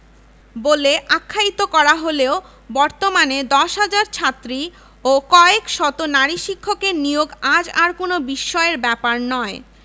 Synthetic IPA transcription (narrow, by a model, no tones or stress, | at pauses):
boleʔakʰːait̪okɔɾaɦoleo | bɔɾt̪omaned̪ɔʃɦad͡ʑaɾt͡ɕʰat̪ːɾi | okɔekʃɔt̪onaɾiʃikʰːokenijoɡad͡ʑaɾkonobiʃːɔeɾbɛpaɾnɔe